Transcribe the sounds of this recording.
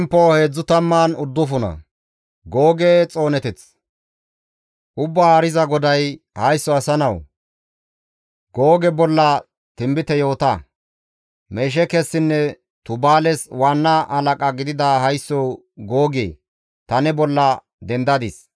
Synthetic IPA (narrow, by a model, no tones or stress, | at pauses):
mpːoːheːd͡zːʊt̪ɐmːaːnʊd̪ːʊfʊnɐ̰ | ɡoːɡeːt͡sʼo̞ːnɛt̪ɪt͡s | ʔʊbːaaːɾɪzɐɡɔd̪ɐj | hɐjsːɔɐsɐnɐw | ɡo̞ːɡɛbɔlːɐ | t̪ɪmbɪt̪ɛjo̞ːt̪ɐ | meːʃ̬ɛkɛsːɪnːɛ | t̪ʊbaːlɛswaːnːaʔɐlɐkʼɐɡɪd̪ɪd̪ahɐjsːɔw | ɡo̞ːɡḛː | t̪ɐnɛbɔlːɐ | d̪ɛnd̪ɐd̪ɪs